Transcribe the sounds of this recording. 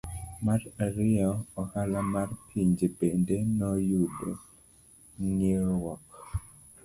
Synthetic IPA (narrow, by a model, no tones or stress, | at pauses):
maraɾɪɔɔhalamarpʰiɲd͡ʒebendenɔjudo | ŋeɾwɔk